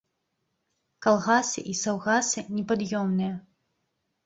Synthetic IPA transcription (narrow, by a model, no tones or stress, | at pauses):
kalˠɣasɨ̰ʔisawɣasɨnʲɛpad̪jɔmnɨjɐ